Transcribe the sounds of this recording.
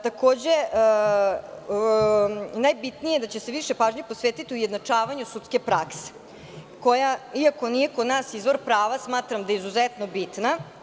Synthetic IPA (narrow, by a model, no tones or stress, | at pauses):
t̪ako̞ːd͡ʑe | najbit̪nijed̪at͡ɕeseʋiʃe̞paːʒɲepo̞sʋeːt̪it̪iujed̪nat͡ʂaːʋaɲusut̪skepɾakse̥ | ko̞jaiako̞nije̞kod̪naːsizʋo̞ɾpɾaːʋasmaːt̪ɾamd̪ajizuzet̪no̞bit̪na